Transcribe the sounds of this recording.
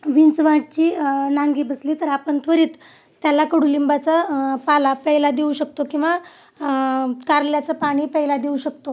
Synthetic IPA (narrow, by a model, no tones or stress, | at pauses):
ʋint͡sʋãʈ̚t͡ɕiːnaŋɡiːbəslit̪əɾapəɳt̪ʰʋəɾiːt̪ː | jalakəɽuːlimbat͡sapalapəɦilad̪euɕək̚t̪okĩw̃ʋa | kaɾljat͡səpaɽ̃iːpəɦilad̪euɕək̚t̪o